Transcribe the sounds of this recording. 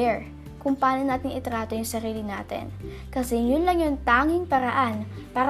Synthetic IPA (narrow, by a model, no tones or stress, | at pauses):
ɛɹ | kʊŋpaːnonaːt̪ɪŋʔɪt̪ɾaːt̪ojʊŋsɐɾiːlɪnaːt̪ɛ̰n | kɐsɛjʊnlɐŋjʊŋt̪aːŋɪŋpɐɾɐʔanpaːɾ